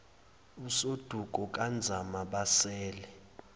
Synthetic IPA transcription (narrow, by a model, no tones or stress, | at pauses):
usod̥ʱuɡ̥ʱɔk̬ʼand͡zʱamaɓasɛːlɛ